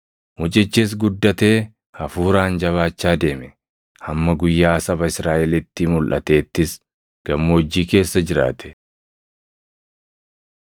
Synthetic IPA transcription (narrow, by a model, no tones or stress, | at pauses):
mʊt͡ʃʼɪt͡ʃːɪs̬ɡʊd̪ːɐt̪e̞ː | hɐfuːɾaːnd͡ʒɐβaːt͡ʃːaːd̪e̞ːmɛ | hɐmːɐɡʊjːaːsɐbɐɪsɾaːʔɛlɪt̪ːɪmʊlʔɐ̰t̪e̞ːt̪ːɪs | ɡ̥ɐmːɐd͡ʒːiːke̞ːsːɐd͡ʒɪɾa̰ːt̪ʰɛ̥